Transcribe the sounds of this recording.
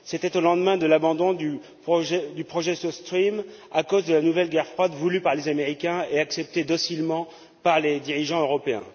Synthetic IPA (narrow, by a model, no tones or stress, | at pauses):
set̪ɛt̪olɑ̃d̪mɛ̃d̪əlabɑ̃d̪ɔ̃d̪y | pχɔʒɛd̪ypχɔʒɛsost̪χim | akozd̪əlanuvɛlɡʲɛʁfχwad̪vulypaʁlezameʁikʲɛ̃eaksɛp̚t̪ed̪ɔsilmɑ̃ | paʁled̪iʁiʒɑ̃øʁɔpeɛ̰̃